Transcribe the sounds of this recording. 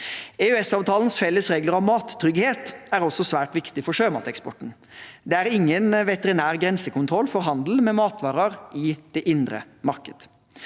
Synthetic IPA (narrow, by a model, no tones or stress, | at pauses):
eʉɛsɑːʋt̪ʰɑːlnəsfɛlːəsʁeːɡləɾɑʋmɑːt̪ʰːɾʏɡheːt̪æɾɔsːɔsʋæːʈʋɪkt̪ɪfɔʂøːmɑ̰ːt̪ɛkspɔ̰ʈn̩ | d̪ɛæːɾɪŋːənʋɛt̪əɾɪnæːʁɡɾɛnsəkʊnt̪ʰɾɔlfɔɾɦɑnd̪l̩mɛmɑːt̪ʋɑːʁɑɾɪd̪̥ɛʔɪnd̪ɾə̰ | mɑɾkəd̪̥